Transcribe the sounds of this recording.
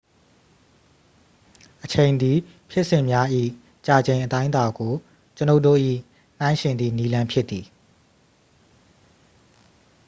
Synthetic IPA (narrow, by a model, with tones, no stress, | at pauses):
ʔət͡ɕʰẽ˨ɪ̃nd̪i˨ | pʰjɪ˦ʔsɪ̃˦˨mja˦ʔḭ˦˨ | t͡ɕa˨d͡ʑẽ˨ɪ̃ʔət̪ã˦ɪ̃nt̪a˨ɡo˨ | t͡ɕəno˦ʊʔto̰˦˨ʔḭ˦˨ | n̥ã˦ɪ̃ʃɪ̃˨nd̪ðḭ˦˨ni˦lã˦mpʰjɪ˦t̪ːi˨